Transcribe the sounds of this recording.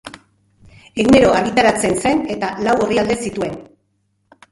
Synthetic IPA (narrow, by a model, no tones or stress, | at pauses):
eɣne̞ɾo̞aɣ̞it̪aɾat͡se̞nse̞ne̞t̪alawo̞riald̪e̞sit̪ue̞n